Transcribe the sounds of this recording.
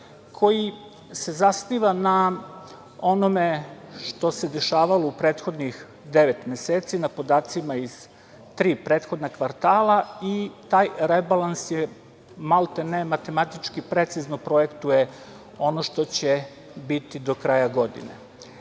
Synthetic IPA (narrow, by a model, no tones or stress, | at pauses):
kʰo̞ji | se̞zasniʋana | o̞no̞me̞ʃt̪o̞se̞d̪e̞ʃaːʋaloupɾeːt̪xo̞d̪nix | d̪eʋet̪mjeseːt̪sinapo̞d̪aːt̪simaiz̥ | t̪ɾiːpɾeːt̪xo̞d̪nakʋaɾt̪aːlait̪aːjɾebalansje | malˠt̪enemat̪e̞mat̪it͡ʃkipɾe̞t̪siznopɾo̞jekt̪uje | o̞no̞ʃt̪o̞t͡ɕe | bit̪id̪o̞kɾaːjaɡo̞d̪ḭnḛ